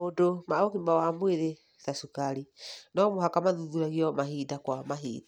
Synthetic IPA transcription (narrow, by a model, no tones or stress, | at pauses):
odomaokimawamweðe | θasukaɾinɔmoɦakamaðuðuɾaɣiɔmahidakwamaɦḭːda